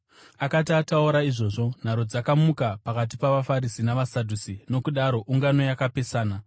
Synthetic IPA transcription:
akat̬iatauɾaiʐo̞ʐo̞n̤aɾo̞d͡zakamukapakat̬ipaʋafaɾisinaʋasadʱusino̞kuɗaɾo̞ʔuŋɡano̞jakape̞saːna

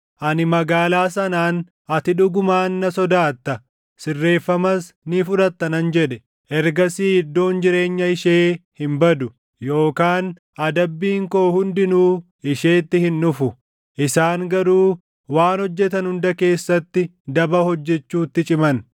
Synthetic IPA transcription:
ʔɐnɪmɐɡaːlaːsɐnaːn | ɐt̪ɪᶑʊɡʊmaːnːɐsɔd̪aːt̪ːɐ | sɪrːe̞ːfːɐmɐsnɪfʊᶑ̪ɐt̪ːɐnɐnd͡ʒɛᶑɛ | ʔɛɾɡɐsiːɪd̪ːo̞ːnd͡ʒɪɾe̞ːɲːɐɪʃeːhɪmbɐd̪ʊ | jo̞ːkaːn | ʔɐd̪ɐbːiːŋko̞ːhʊnd̪ɪnuː | ɪʃe̞ːt̪ːɪhɪnːʊfʊ | ʔɪsaːŋɡɐɾuː | waːnhɔd͡ʒːɛt̪ɐnhʊnd̪ɐke̞ːsːɐt̪ːɪd̪ɐbɐhɔd͡ʒːɛt͡ʃːuːt̪ːɪt͡ʃʼɪmɐn

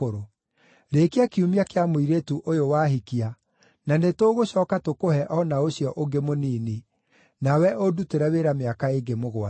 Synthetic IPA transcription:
oɾo | ɾekeakiumiakeamoiɾetuʔojowaɦikia | nanetoːɣoɕɔːkatokohɛʔɔnaoɕiɔʔoɡemoniːne | nawɛʔoduteɾɛweɾameakaeɡemoɣwa

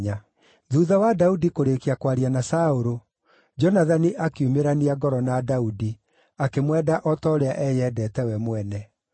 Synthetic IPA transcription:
a | ðuðawadaudikoɾekiakwaɾianasaoɾo | d͡ʒɔnaðaniʔakeumeɾaniaɡɔɾɔnadaudi | akemwɛdaʔɔtɔɾeaʔɛjɛdɛːtɛwɛmwɛnɛ

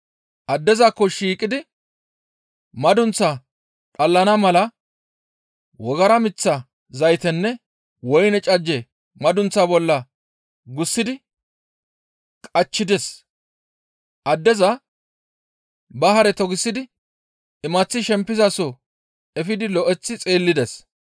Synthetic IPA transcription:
ʔɐd̪ːɛzakːɔʃiːkʼɪd̪ɪ | mɐd̪ʊnt͡sːa | ᶑʼɐlːɐnɐmɐlɐ | wɔɡɐɾɐmɪt͡sːɐ | zɐjt̪ɛnːɛ | wɔjnɛt͡ʃʼɐd͡ʒːɛ | mɐd̪ʊnt͡sːabɔlːɐ | ɡʊsːɪd̪ɪ | kʼɐt͡ʃːɪd̪ɛs | ʔɐd̪ːɛzɐ | bɐɦɐɾɛt̪ɔɡɪsːɪd̪ɪ | ɪmɐt͡sːɪʃɛmpːɪzɐsɔ | ɛfɪd̪ɪlɔʔɛt͡sːɪt͡sʼeːlːɪd̪ɛs

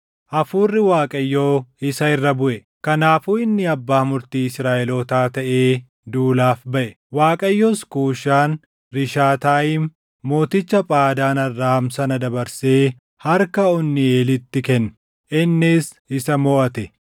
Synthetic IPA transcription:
ʔɐfuːrːɪwaːkʼɐjːoːɪsɐɪrːɐbʊʔɛ | kɐnaːfuːɪnːɪɐbːaːmʊɾt̪iːɪsɾaːʔɛloːt̪aːt̪ɐʔeː | d̪uːlaːfbɐʔɛ | waːkʼɐjːoːskuːʃaːn | ɾɪʃaːt̪aːjɪmː | oːt̪ɪt͡ʃːɐpʼaːd̪aːnɐrːaːmsɐnɐd̪ɐbɐɾseː | hɐɾkɐɔnːɪeːlɪt̪ːɪkɛn | ʔɪnːɪs | ɪsɐmɔːʔɐt̪ɛ

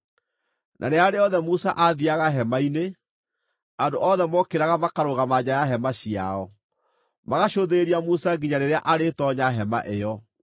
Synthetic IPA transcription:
nʔa̰ɾeaɾeɔðɛmusa̰ʔaðiaɣaɦɛmaine | andoʔɔðɛmɔkeɾaɣamakaɾoɣamaɲajaɦɛmaɕia̰ɔ | maɣaɕoðeɾiamusaɡiɲaneɾeaʔaɾetɔɲaɦɛma̰ʔejɔ

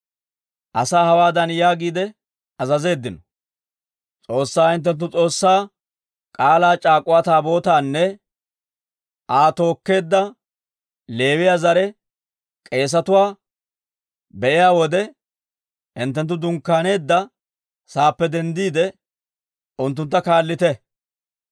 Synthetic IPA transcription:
ʔɐsaːhɐwaːd̪ɐnjaːɡiːd̪ɛ | ɐzɐze̞ːd̪ːɪnɔ̥ | t͡sʼo̞ːsːaːɪnt̪ːɛnt̪̬ːʊt͡sʼo̞ːsːaː | kʼaːlaːt͡ʃʼaːkʼːʊwaːt̪aːbo̞ːt̪aːnːɛ | aːt̪o̞ːkːe̞ːd̪ːɐ | le̞ːwɪjaːzɐɾɛ | kʼe̞ːs̬ɐt̪ʊwaː | bɛʔɪjaːwɔd̪ɛ | ɪnt̪ːɛnt̪̬ːʊd̪ʊŋkːaːne̞ːd̪ːɐ | saːpːɛd̪ɛnd̪iːd̪ɛ | ʔʊnt̪ːʊnt̪ːɐkaːlːɪt̪ɛ

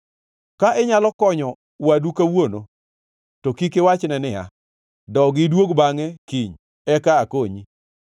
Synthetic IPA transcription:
kaʔɪɲalɔkɔɲɔ | wadukawono | tokikewat͡ʃnɛnɪa̰ | dɔɡɪdwoɡbaŋɛkiɲ | ɛkaːkoɲi

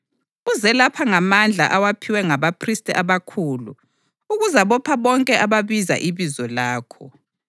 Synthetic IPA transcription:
uzɛlapʰaŋamand͡ɮʱa̰ʔawapʰiwɛŋaβapʰristʼɛʔaβakʰuːlṵ | uɣuzaβɔpʰaβɔŋkʼɛʔaβaβiza̰ʔiβizɔlaːkʰɔ

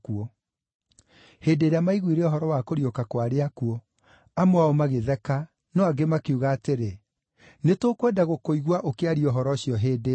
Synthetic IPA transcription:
kuɔ | hedeːɾeamaiɣwiɾɛɔɦɔɾɔwakoɾiokakwaɾeakuɔ | amoaomaɣeðɛka | nɔaɡemakeuɣaːteɾe | netokwɛːdaɣokoiɣwaʔokeaɾiɔɦɔɾɔɕjɔɦeːde

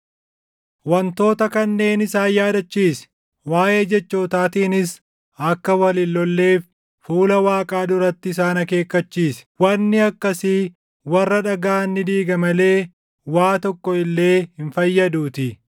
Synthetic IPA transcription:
wɐnt̪o̞ːt̪ɐkɐnːe̞ːnɪsaːjaːd̪ɐt͡ʃːiːs | waːje̞ːd͡ʒɛt͡ʃːo̞ːt̪aːt̪iːnɪs | ɐkːɐwɐlɪlːɔlːe̞ːf | fuːlɐwaːkʼaːd̪ʊɾɐt̪ːɪɪsaːnɐke̞ːkːɐt͡ʃːiːswɐnːɪɐkːɐsɪ | wɐrːɐᶑɐɡaːnːɪd̪iːɡɐmɐle̞ː | waːt̪ɔkːɔɪlːe̞ːhɪnfɐjːɐd̪uːt̪ɪ

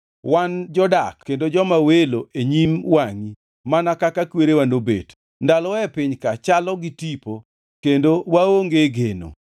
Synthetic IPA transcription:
wand͡ʒɔdakːendod͡ʒɔmaweloʔeɲimwaŋi | manakakakweɾewanobḛt | ndalɔɛpɪɲkat͡ʃalɔɡɪtipo | kendowaoŋɡeɡeno̰

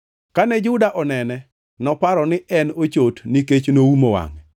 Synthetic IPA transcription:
kanɛd͡ʒʊdaʔɔnɛnɛ | nɔpaɾɔnɪʔɛnot͡ʃotniket͡ʃnoumowa̰ŋɛ

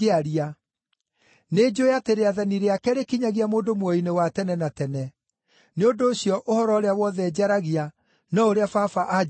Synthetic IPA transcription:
eaɾia | ned͡ʑojateɾeaðaniɾeakɛɾekiɲaɣiamoːndomwɔinewatɛnɛnatɛnɛ | neondoːɕjɔʔohɔɾɔoɾeawɔðɛd͡ʑaɾaɣia | nɔoɾeafafaʔa

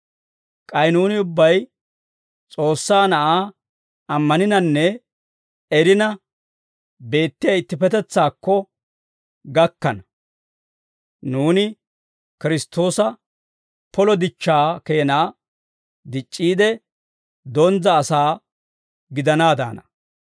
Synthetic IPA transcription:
kʼɐjnuːnɪʊbːɐj | t͡sʼo̞ːsːaːnɐʔaː | ɐmːɐnɪnɐnːɛ | ɛɾɪnɐ | be̞ːt̪ːɪjɐɪt̪ːɪpɛt̪ɛt͡sːaːkːɔ | ɡɐkːɐnɐ | nuːnɪ | kɪɾɪst̪o̞ːsɐ | pɔlɔd̪ɪt͡ʃːaːke̞ːnaː | d̪ɪt͡ʃʼːiːd̪ɛ | d̪ɔnd͡zɐːsaː | ɡɪd̪ɐnaːd̪a̰ːnɐ

